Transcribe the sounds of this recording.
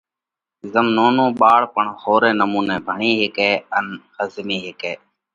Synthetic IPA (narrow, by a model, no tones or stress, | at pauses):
zəmnoːnõːɓaːɭpəɳhoːɾeːnəmuːnẽːbʱəɳĩːɦɪkeːənhəzmiːɦɪkeː